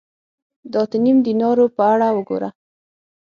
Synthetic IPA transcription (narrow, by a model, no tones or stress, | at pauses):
d̪ɑt̪ənimd̪inɑɾopəaɽawəɡo̰ɾa